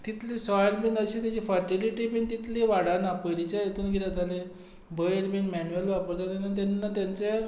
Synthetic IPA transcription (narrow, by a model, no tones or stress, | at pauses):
t̪it̪lisɔjəlbinəɕet̪jat͡ɕifəɾʈiliʈipiɳt̪it̪leʋaɽanapəɽit͡ɕjajet̪uːnɡʱilat̪ale | bəjəlbinmɛnuəlʋapəɾt̪at̪enat̪̬anːat̪jãnt͡se